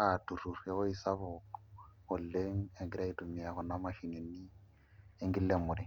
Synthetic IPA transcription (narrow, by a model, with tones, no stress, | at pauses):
atu˨ru˨rwɛ˨o˦isa˦βʊ | ʊ˨lːe˦ŋ̩˦e˨ŋɡɪ˨ɾa˦i˦tu˨mi˨a˨χɔ˨na˦ma˨ʃi˨ne˨ni˦ | e˦ŋɡɪ˦lːe˦mʊ˨ɾɪ˦